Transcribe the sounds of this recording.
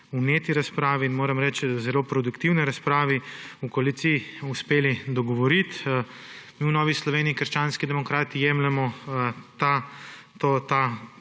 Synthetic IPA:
uneːt̪iɾaspɾaːʋiːnmoːɾɛmɾɛt͡ʃzɛloːpɾɔd̪ukt̪iwnɛɾaspɾaːʋiukoɐlit̪siiuspeːlid̪ɔɡɔʋɔɾit̪ | miːwnɔːʋislɔʋeːniːkəɾʃt͡ʃaːnskid̪ɛmɔkɾaːt̪ijɛmlɛmɔt̪a | t̪ot̪a

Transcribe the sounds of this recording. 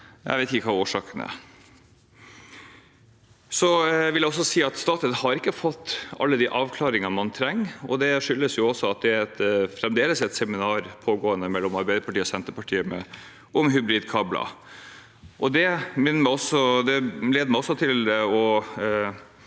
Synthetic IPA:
jæ̰ɪʋeɪt̪ɪkːəkʰɑːoːʂɑːkənæ̰ɾ | sɔʋɪljæɪɔsːɔsiːɑt̪st̪ɑːt̪ət̪hɑɾɪkːəfɔt̪ːɑ̰lːəd̪iʔɑːʋkʰlɑːɾɪŋɑmɑnt̪ʰɾɛŋːɔ̰d̪ɛʂʏlːəsjʊɔsːɔɑt̪̚d̪ɛæɾɛt̪fɾɛmd̪eːləsɛt̪sɛmɪnɑːɾpʰoːɡoːənəmɛlːɔmɑɾbæɪd̪əpʰɑʈiːɔsɛnt̪əɾpɑʈʰiːəmɛ | ʔɔmɦʉbɾiːd̪kʰɑːblɑ̰ | ʔɔd̪ɛmɪnːəɾmæɪɔsɔd̪ɛleːd̪əmæɪɔsːɔt̪ʰɪlɔ

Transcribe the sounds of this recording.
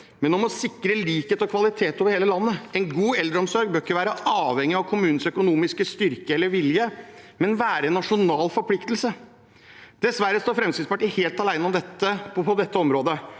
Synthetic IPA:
mɛnɔmɔsɪkɾəliːkheːt̪ɔkʰʋɑlɪt̪ʰeːt̪oːʋəɾheːləlɑnːəɛnɡuːɛld̪ɾəɔmsɔɾɡ̚bøːɪkːəʋæːɾəɑːʋɛŋːɪɑʋkʰʊmʉːn̩sœkʊnuːmɪskəst̪ʏɾkəɛlːəɾʋɪljəmɛnʋæːɾəɛnːɑʂʊnɑːlfɔɾpʰlɪkt̪lsə | d̪̥ɛsʋæɾːəst̪oːfɾɛmskɪd̪spɑʈiːheːlt̪ɑlæɪnəɔmd̪ɛt̪ːəpʰɔd̪ɛt̪ːəɔmɾoːd̪ə

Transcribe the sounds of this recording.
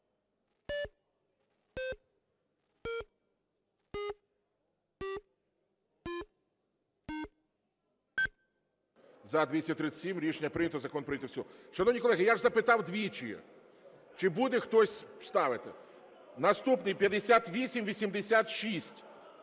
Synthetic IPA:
zɐd̪ʋʲisʲɐt̪ɾɪt͡s̪ʲsʲimɾʲiʃenʲːɐpɾɪnʲɐt̪ɔzɐkɔnpɾɪnʲɐt̪wsʲɔɦɔʃɐnɔwnʲijkɔlˠɛɦɪjaʒzɐpɪt̪ɑwd̪ʋʲit͡ʃijɛ̰ | t͡ʃɪbud̪ɛxt̪ɔsʲst̪ɑʋɪt̪ɪ̰ | nɐst̪upnɪjpʲjɐd̪esʲat̪ʋʲisʲimʋʲisʲimd̪esʲat̪ʃisʲtʲ

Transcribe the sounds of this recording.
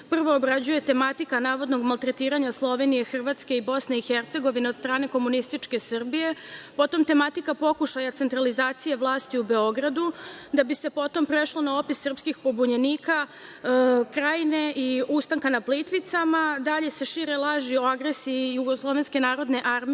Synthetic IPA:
pr̩ʋo̞ːbɾad͡ʑuje̞t̪e̞mat̪ikanaːʋo̞d̪noɡmalt̪ɾe̞t̪iːɾaɲaslˠo̞ʋe̞nije̞xr̩ʋat̪ske̞ibo̞sne̞ixert̪se̞ɡo̞ʋine̞o̞d̪st̪ɾaːne̞ko̞munist̪it͡ʂke̞srbije̞po̞t̪o̞mt̪e̞mat̪ikapo̞kuʃajat̪e̞nt̪ɾalizaːt̪sijeʋlˠaːst̪iube̞o̞ɡɾad̪ud̪abise̞po̞t̪o̞mpɾe̞ʃlˠo̞nao̞pisːr̩pskixpo̞buɲeniːka | kɾaːjne̞ʔiust̪aŋkanaplit̪ʋit̪samad̪aʎe̞se̞ʃiɾe̞lˠaʒioaɡɾesiːjuɡoslˠo̞ʋe̞nske̞naːɾo̞d̪ne̞ʔaɾmi

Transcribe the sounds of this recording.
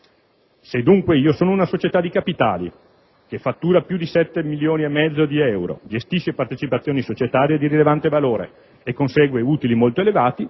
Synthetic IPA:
sed̪ːuŋkweiːosoːnounasot͡ʃet̪ad̪ikapit̪a̰ːlḭ | kefat̪ːuːɾapjud̪isɛt̪ːemiljoːniemːɛd̪zːod̪iɛwɾo̰d͡ʒest̪iʃepart̪et͡ʃipat̪sːjoːnisot͡ʃet̪aːɾjed̪iɾilevant̪evaloːɾḛ | ekːonseːɡweuːt̪ilimolt̪oelevaːt̪i

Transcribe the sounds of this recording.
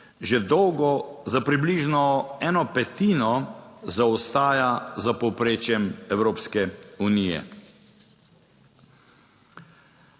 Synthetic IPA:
ʒɛd̪ɔwɡɔzapɾibliːʒnɔɛːnɔpɛt̪iːnɔzaɔst̪aːjazapɔwpɾeːt͡ʃjɛmɛwɾoːpskɛuniːjɛ̰

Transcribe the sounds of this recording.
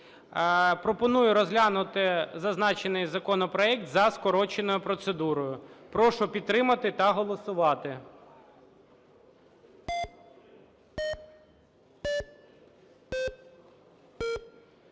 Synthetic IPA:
pɾɔpɔnujʊɾɔzlʲanʊt̪ɪzɐznɑt͡ʃenɪjzɐkɔnɔpɾɔɛk̚t̪zɐskɔɾɔt͡ʃenɔjʊpɾɔt̪sed̪uɾɔjʊpɾɔʃʊpʲid̪t̪t̪ːɾɪmɐt̪ɪt̪ɐɦɔlˠɔsʊʋɑt̪ɪ

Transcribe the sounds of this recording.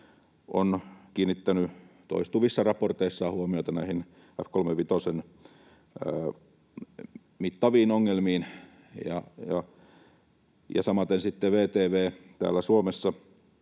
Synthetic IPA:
ʔo̰nkiːnːit̪ːænyt̪o̰ist̪uʋisːɑrɑport̪eisːɑːhuomioit̪ɑnæihin | æpkolmeʋit̪osen | əː | mit̪ːɑʋiːnoŋːelmiːn | jɑ̰jɑ | jɑ̰sɑmɑt̪ensit̪ːeʋeːt̪eːʋeːt̪æ̰ːlːæsuomesːɑ

